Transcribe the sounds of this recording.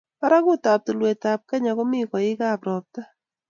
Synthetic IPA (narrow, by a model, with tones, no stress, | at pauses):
pa˦ɾa˦ɡʊ˦ta˨p̚to˨lwe˨ta˨p̚ka˦ɲa˨ɡɔ˦mɪ˦kɔ˨ɪ˦ɡa˦˨pɾɔ˨p̚t̪a˦